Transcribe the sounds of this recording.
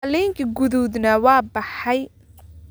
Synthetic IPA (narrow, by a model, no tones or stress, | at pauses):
liŋkʰiɡʊðud̪nɐwɑːbɑħɐj